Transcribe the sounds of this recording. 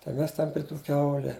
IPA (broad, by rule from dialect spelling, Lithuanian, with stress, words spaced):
tɐɪ ˈmʲɛs tʲɛn pʲrʲɪ ˈtuː ˈkʲɛʊlʲɛ